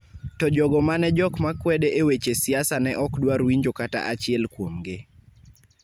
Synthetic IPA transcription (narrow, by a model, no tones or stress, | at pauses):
tɔd͡ʒɔɡɔmanɛd͡ʒɔkmakwɛdeʔewet͡ʃesiasanɛʔɔkdwaɾwiɲd͡ʒokata̰ʔat͡ʃɪɛlkwomɡɪ